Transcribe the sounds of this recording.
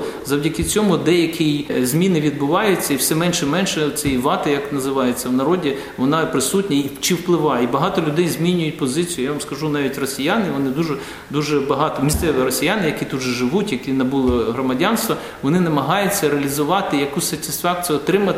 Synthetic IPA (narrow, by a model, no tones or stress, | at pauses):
zɐwdʲɐkɪt͡sʲɔmʊd̪ɛjɐkʰʲɪjzʲmʲinɪʋʲid̪̚bʊʋɑjʊt͡sʲːɐiwsɛmɛnʃɛmɛnʃɛt͡s̪ʲɛjiʋɑt̪ɪjɐknɐzɪʋɑjet͡sʲːɐwnɐɾɔdʲi | ʋɔnɑpɾɪsutʲnʲɐit͡ʃiwplˠɪʋɑibɐɦɑt̪ɔlʲʊd̪ɛjzmʲinʲʊjʊt̚ʲpɔzɪt͡sʲjʊjaʋɐmskɐʒunɑʋʲitʲrɔsʲijanɪʋɔnɪd̪uʒɛ | d̪uʒɛbɐɦɑt̪ɔmʲist̪sɛʋɪɾɔsʲijanɪjɐkʲit̪ud̪ʒɔʒɪʋutʲjɐkʲinɐbulˠɔɦrɔmɐdʲanst̪ʋɔ | ʋɔnɪnɐmɐɦɑjʊt͡sʲːɐɾeɐlʲizʊʋɑt̪ɪjɐkusʲsɐtʲisfɑk̚t͡sʲijʊɔt̪ɾɪmɐt̪